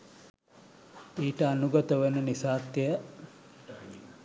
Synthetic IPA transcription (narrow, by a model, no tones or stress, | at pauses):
iːʈəanuɡɐt̪əʋenənisaːt̪ːijə